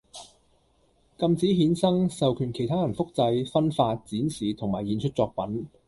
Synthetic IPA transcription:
kɐ˧mt͡siː˨˥ɦiː˨˥nsɐ˥ŋsɐ˨wkʰyː˨˩nkʰe˨˩jt̪ʰaː˥jɐ˨˩nfʊ˥k̚t͡sɐ˧jfɐ˥nfaː˧t̚t͡siː˨˥nsiː˨˩t̪ʰʊ˨˩ŋmaː˨˩jiː˨˧nt͡ʃʰɵ˥t̚t͡sɔː˧k̚pɐ˨˥n

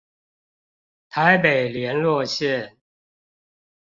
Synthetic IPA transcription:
t̪ʰa˨˦ɪpe˨˩ɪljɛ˧˦nlwɔ˥˧ɕjɛ˥˨

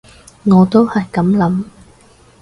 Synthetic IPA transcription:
ŋɔː˨˧t̪o˥whɐ˨jkɐ˨˥mlɐ˨˥m

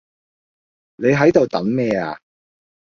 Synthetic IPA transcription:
ne˨˧jɦɐ˨˥jt̪o˨wt̪ɐ˨˥ŋmɛː˥˧a̰ː˨

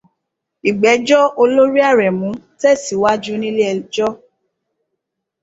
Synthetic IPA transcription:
i˨ɡ͡bɛ˨˦d͡ʒɔ˦ʔo˧lo˦ɾi˦a˦˨ɾɛ˨mũ˨˦tɛ˦˨si˨˦wa˦d͡ʒu˦nĩ˦le˦ɛ˧d͡ʒɔ˦

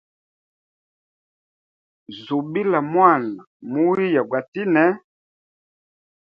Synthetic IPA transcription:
zu˨bi˦la˨mwa˦˨na˨mu˦wi˦ja˨ɡwa˨ti˦nɛ˨˦

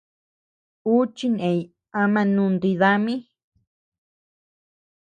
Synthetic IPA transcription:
u˦t͡ʃi˧nẽ˨j | a˧mã˧nũ˧nd̪i˧ða˧mĩ˦

